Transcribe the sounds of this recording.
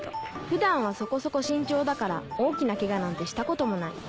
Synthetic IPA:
ɸɯ̟d̪ãɰ̃β̞aso̞ko̞so̞ko̞ɕĩɲ̟t͡ɕo̞ːd̪akaɾa̰o̞ːkʲinake̞ɡanãnt̪e̞ɕi̥t̪ako̞t̪o̞mo̞naḭ

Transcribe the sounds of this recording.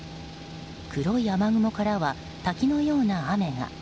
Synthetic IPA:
kʰɯɾo̞iamaɡɯ̟mo̞kaɾaβa | t̪akʲino̞jo̞ːnaame̞ɡa̰

